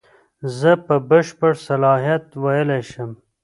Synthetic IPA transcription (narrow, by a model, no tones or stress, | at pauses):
zəpəbəʃpəɽsalɑɦjat̪wajəleʃəm